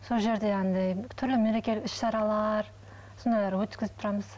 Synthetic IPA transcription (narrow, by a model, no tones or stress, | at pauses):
so̞lˠʒe̞ɾd̪e̞ɑnd̪ɑjt̪ʰʏɾlɪmeɾe̞kʲe̞lɪkɪʃʃɑɾɑlˠɑɾ | so̞nd̪ɑjlˠɑɾwɵt̪kʲɪzɪp̚t̪ʰʊɾɑməz̥